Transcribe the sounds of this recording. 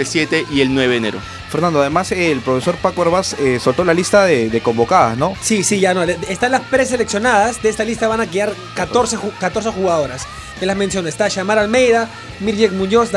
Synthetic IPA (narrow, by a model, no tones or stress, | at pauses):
elsjet̪eʔielnweβeðeneɾo̰ | feɾnand̪oaðemaselpɾo̞feso̞ɾpakoeɾβasesolt̪o̞lalist̪aðeðe̞kõ̞mbo̞kaða̰zno̞sisiʝanoleest̪anlaspɾes̬e̞leksjo̞naðazd̪eest̪alist̪aβanak̬ɾiaɾ | katoɾsekat̪o̞ɾsexuɣaðo̞ɾas | elazmensjo̞noest̪aʃamaɾalme̞jða | miɾʝekmũɲos